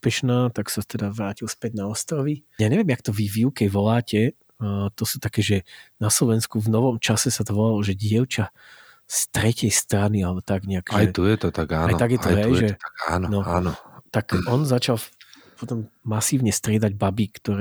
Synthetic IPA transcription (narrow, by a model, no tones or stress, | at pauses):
spɛʃnaːt̪aksat̪ɛd̪aʋɾaːcilspɛɟnaɔst̪ɾɔʋijaɲɛʋɪɛmjakt̪ɔvivjukɛjʋɔlaːcɛ | t̪ɔsuːt̪akɛːʒɛnaslɔʋɛnskuvnɔʋɔmt͡ʃasɛsad̪ʋɔlalɔʒɛɟɪɛʊt͡ʃa | st̪ɾɛcɛjst̪ɾanialɛbɔt̪aɡɲɛakʒjɛt̪ujɛt̪ɔt̪aɡa̰ːnajt̪aɡjɛɔjɦɛjʒɛt̪aa̰ːnɔnɔanɔt̪akɔnzat͡ʃal | pɔt̪ɔmːasiːʊɲɛst̪ɾɪɛd̪aɟbabikt̪ɔɾɛː